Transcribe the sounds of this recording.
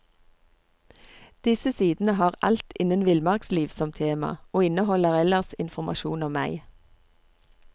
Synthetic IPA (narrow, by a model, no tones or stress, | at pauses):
d̪̥ɪsəsiːd̪n̩əhɑːʁʔɑ̰lt̪ɪnənʋɪlmɑʁksliːʋsɔmt̪ʰeːmɑ̰oːɪnəhɔləʁɛləʁsɪnfɔmɑ̰ʃṵːnɔmːæɪ